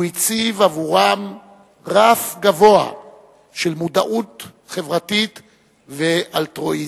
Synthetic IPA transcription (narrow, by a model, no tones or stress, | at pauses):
it͡sivavuʁam | ʁafɡavo̞a̰ | ʃelmuda̰ʔut̪ | χe̞vʁatit̪ | veʔaltʁo̞i